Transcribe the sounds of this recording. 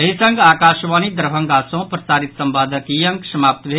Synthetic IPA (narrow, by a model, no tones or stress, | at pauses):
ɐɦisəŋɡaːkaːʃʋaːnid̪əɾbʱə̃ŋɡaːsõpɾɐsaːɾit̪sɐmbaːd̪ʱəkijɐŋksɐmaːp̚t̪bʱe